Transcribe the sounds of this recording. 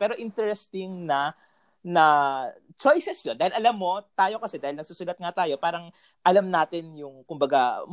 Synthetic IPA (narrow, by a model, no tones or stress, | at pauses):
pɛːɾo̞ʔɪnt̪ɛɹɛst̪ɪŋnɐ | nɐ | t͡ʃojsɛsjond̪aːhɪlʔɐlamːo̞t̪aːjo̞kɐsɛd̪aːhɪlnɐɡ̚suːsʊnɐt̪̚ŋat̪aːjo̞paːɾɐŋ | ʔɐlamnaːt̪ɪnjʊŋkʊmbɐɡa